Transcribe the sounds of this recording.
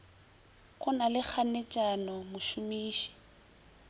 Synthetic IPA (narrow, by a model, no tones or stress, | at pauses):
kʊnalɪk͡xʰanet͡ʃʼanɔmʊʃʊmiːʃi̥